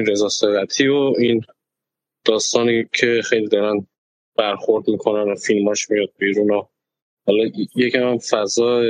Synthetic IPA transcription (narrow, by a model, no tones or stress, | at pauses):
nɾe̞zɒːseɣæt̪ʰiːoin | d̪̥ɒːst̪ɒːnicʰe̞xejliːd̪ɒːɾæn | b̥æɾxoɾd̪mikʰo̞nænofilmɒːʃmijɒd̪̚biːɾuːno | hɒlɒjecʰæmæmfæzɒː